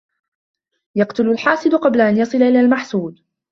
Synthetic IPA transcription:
jɑqt̪ʊlalħɑːsˤɨd̪ʊqɑblaʔanjɑsˤɨlaʔɪlaːlmaħsuːd̪

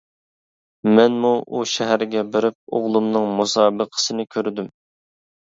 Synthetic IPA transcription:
mɛnmuʔuʃɛɦæɾɡʲɛbɪɾɪp̚o̰ʁlˠumnɨŋmusɑːbəqʰə̥sɨnɪkʲʰøɾd̪ym

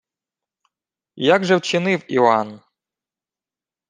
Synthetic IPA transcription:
jaɡʒɛwt͡ʃɪnɪwian

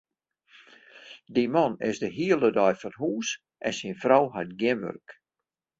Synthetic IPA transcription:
dimɔnɪzdəɦiəlˠədɔjfɔnɦuːs | ʔɛnsinfrɔwɦajt̚ɡjɪnʋø̰rk

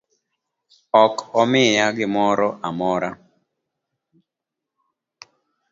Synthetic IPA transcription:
ɔkɔmɪjaɡɪmɔɾɔʔamɔɾa

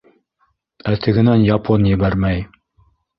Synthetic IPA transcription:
æt̪ʰɘ̆ɡɘ̆nænjɑpʰonjɘ̆bæɾmæj

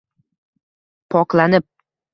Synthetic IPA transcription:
pʰɒqlanɪp̚

